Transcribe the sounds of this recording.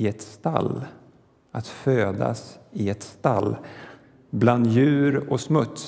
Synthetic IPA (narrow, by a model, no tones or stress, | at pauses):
ɪɛt̪st̪a̰lː | at̪føːd̪a̰sɪɛt̪st̪a̰lː | bland̪jʉ̟ːɾɔsmɵt̪s